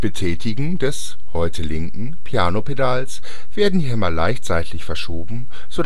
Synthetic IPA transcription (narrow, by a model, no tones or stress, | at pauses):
b̥ətʰɛːtʰɪɡŋ̩dɛs | hɔʏtʰəlɪŋkŋ̩pʰijaːnopedaːls | v̥eːɐdn̩diːɦɛmɐlaɪçtt͡saɪtʰlɪçfɛɐʃoːbm̩ | z̥od